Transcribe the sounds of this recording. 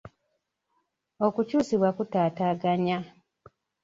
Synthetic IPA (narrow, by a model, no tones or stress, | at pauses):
o̞kucuːsiβwakutaːtaːɡaɲa